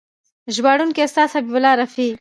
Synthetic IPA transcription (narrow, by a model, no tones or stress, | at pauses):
ʒwaɽunkest̪ɑːshɐbibʊlɑɾɐfi